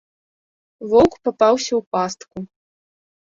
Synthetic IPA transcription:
vɔwkpapawsʲɐwpast̪ku

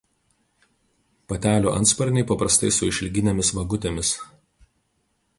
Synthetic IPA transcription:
pɐt̪ʲæːlʲuːʔɐ̰nt̪spɐɾʲnʲɛɪpɐpɾɐst̪ɐɪsʊɪʃʲlʲɡʲɪnʲeɛmʲɪsʋɐɡʊt̪ʲemʲɪs

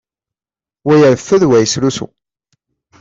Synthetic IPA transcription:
wæjəɾfːæðwæjəsɾusṵ

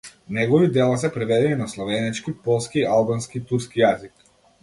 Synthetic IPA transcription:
nɛɡɔvid̪ɛlˠas̬ɛpɾɛvɛd̪ɛninaslˠɔvɛnɛt͡ʃkipɔlˠskialˠbanskit̪uɾskijazik

